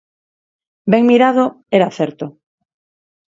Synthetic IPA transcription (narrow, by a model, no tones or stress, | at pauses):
beŋmiɾaðo | eɾaθeɾt̪o